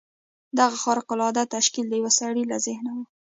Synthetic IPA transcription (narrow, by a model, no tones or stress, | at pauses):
d̪aɣaxɑɾqʊlɑd̪at̪aʃkild̪əjawasaɽilazɪhnawə